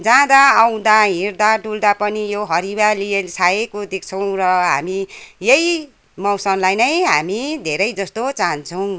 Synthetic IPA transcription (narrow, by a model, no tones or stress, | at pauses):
d͡zãd̪aːw̃d̪aɦĩrd̪aʈuld̪apʌnijoɦʌɾibaliesaekod̪ekʰt͡sʰʌw̃rʌɦa̰mijeji | mʌwsʌnlajnʌjɦamid̪ʱeɾʌjd͡zʌst̪ot͡sant͡sʰʌw̃